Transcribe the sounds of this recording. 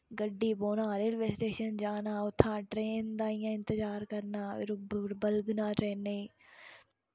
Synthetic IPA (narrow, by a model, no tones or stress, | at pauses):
ɡəɖːiːboːnãːɾeːlʋesʈeːʃənd͡ʒaːnaːʊt̪ʰːãːʈɾeːnd̪aːɪjãːɪ̃nt̪əd͡ʒaːɾkəɾnaːɪɾɾbəlɡnãːʈɾeːneː